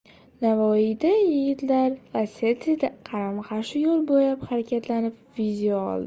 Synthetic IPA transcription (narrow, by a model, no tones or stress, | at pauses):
navɒɪd̪ajɪɡʲɪt̪laɾvaset̪ʰid̪aqʰɑɾamχaʃɪjolˠbojapχaɾakʲʰat̪lanɪp | vizʲijaɒ̰lˠd̪ɪ